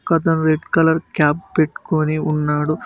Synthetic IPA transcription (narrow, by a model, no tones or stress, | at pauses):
kɐd̪ɐnɾeɖkɐlɐɾkaːp̚peʈːu̥koːniunːaːɽu